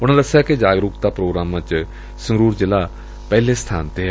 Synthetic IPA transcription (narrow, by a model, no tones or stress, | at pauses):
ʊnãːd̪əsejaːkɪd͡ʒaːɡɾʊkt̪aːpɾoːɡɾaːmãːt͡ʃ | səŋɡɾuːɾd͡ʒɪlaː | pɛːlẽːst̪ʰaːnt̪eː